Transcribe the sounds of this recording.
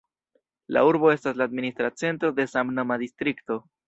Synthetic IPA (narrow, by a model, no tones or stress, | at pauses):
la̰uɾbo̞e̞staslaːd̪minist̪ɾat͡se̞nt̪ɾo̞d̪e̞samnomad̪ist̪ɾikt̪o̞